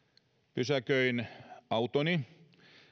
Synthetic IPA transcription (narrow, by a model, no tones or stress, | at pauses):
pysækøinɑut̪oni